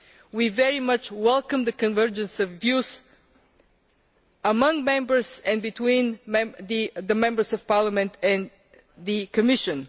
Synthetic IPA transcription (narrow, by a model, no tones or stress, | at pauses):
wivɛɹimʌt͡ʃwɛlˠkə̃mðɨkɨ̃nvɜ˞d͡ʒɨ̃nsʌvːjuz | əmʌ̃ŋmɛ̃mbə˞zɨ̃nbɨtʰwĩnmɛ̃ðɨðəmɛ̃mbə˞zʌv̥pɑɹləmɨ̃ntɨ̃n | ðɨkʰɨmɪʃɨ̃n